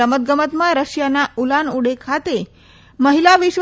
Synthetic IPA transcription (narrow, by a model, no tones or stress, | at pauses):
əmət̪̚ɡəmət̪mãɾəɕjanaulanuɽekʰat̪e | məɦilaʋiɕʋ